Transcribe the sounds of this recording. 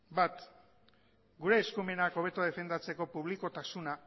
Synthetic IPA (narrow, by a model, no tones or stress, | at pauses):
bat̪ | ɡuɾe̞ːskume̞nako̞β̞e̞t̪oað̞e̞fe̞nd̪at͡se̞ko̞puβ̞liko̞t̪asuna